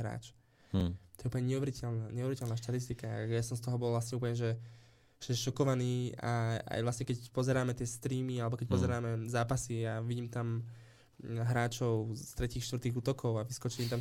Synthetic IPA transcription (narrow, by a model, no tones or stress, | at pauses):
ɾa̰ːt͡ʃ | t̪ɔ̥jɛupəɲɛɲɛuʋɛɾicɛlnaɲɛuʋɛɾicɛlnaːʃt̪at̪ist̪ikajasɔmst̪ɔɦɔbɔlʋlasɲɛup̬lɲɛʒɛ | ʒ̥ɛɛʃɔkɔʋaniːa̰a̰jʋlasɲɛkɛcpɔzɛɾaːmɛt̪ɪɛst̪ɾiːmialɛbɔkɛc̚pɔzɛɾaːmɛzaːpasiaʋiɟiːmt̪am | ɦɾaːt͡ʃɔʊst̪ɾɛciːxʃt̪ʋr̩t̪iːɣuːt̪ɔkʰɔʊaʋiskɔt͡ʃɛɲiːmt̪am